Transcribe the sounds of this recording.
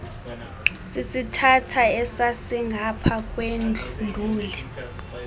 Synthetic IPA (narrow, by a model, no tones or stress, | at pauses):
sisitʰatʰaɛsasiŋɡʱapʰak̬ʼwend͡ɮʱundʱuːli